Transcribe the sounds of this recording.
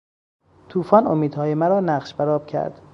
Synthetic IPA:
t̪ʰuːfɒːnomiːd̪̥hɒːjemæɾɒːnæʁʃbæɾɒːb̥̚cʰæ̰ɾd̪̥

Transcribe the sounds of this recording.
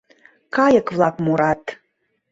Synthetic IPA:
kɑjəkvlˠɑkmuɾɑt̪

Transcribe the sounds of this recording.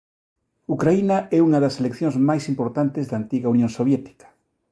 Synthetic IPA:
ukɾainaɛuŋɐðɐselekθjõŋzmajsimpoɾt̪ant̪ezðaːnt̪iɣaunjõŋsoβjɛt̪i̥kḁ

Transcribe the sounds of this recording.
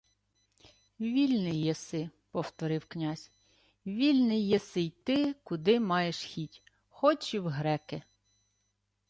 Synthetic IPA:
ʋʲilʲnɪjːɛsɪpɔwt̪ɔɾɪwknʲɑzʲ | ʋʲilʲnɪjːɛsɪjt̪ɪkʊd̪ɪmɑjeʃxʲitʲ | xɔt͡ʃɪwɦɾɛke

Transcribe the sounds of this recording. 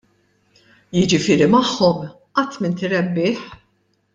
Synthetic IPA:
jɪd͡ʒɪfɪːɾimɐħːɔm | ʔɐt̪ːmɪnt̪ɪɾɛbːɪːħ

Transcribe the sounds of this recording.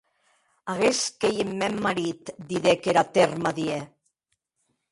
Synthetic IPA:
aɣeskejemːɛmːaɾit̪d̪iðekeɾat̪ermaðie

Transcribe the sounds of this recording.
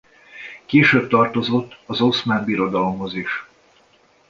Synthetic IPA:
keːʃøːb̚t̪ɒrt̪o̞zo̞t̪ːɒzosmaːmbiɾo̞d̪ɒlo̞mho̞ziʃ

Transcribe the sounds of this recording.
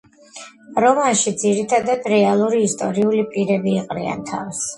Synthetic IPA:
ɾɔmanʃid̪ziɾit̪ʰad̪ad̪ɾɛalˠuɾiːst̪ʼɔɾiulipʼiɾɛbiːqʼɾia̰nt̪ʰa̰fs

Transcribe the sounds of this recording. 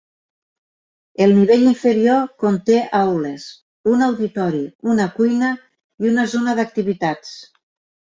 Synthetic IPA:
elˠniβ̞eʎiɱfeɾiokont̪eʔawlez | unawðit̪ɔɾiunakujnə | iunazonəðak̚t̪iβit̪at͡s

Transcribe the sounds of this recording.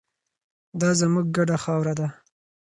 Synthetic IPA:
d̪ɑzəmuɡ̚ːaɖaxɑwɾad̪a

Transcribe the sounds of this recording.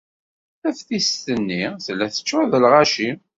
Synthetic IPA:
æfθist̪ənːiθlːæθə̥t͡ʃːæðəlʁaʃi

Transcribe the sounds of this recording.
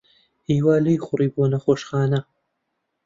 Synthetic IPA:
iːwaːlijxʊriːboːnɐχoːʃxaːnɐ

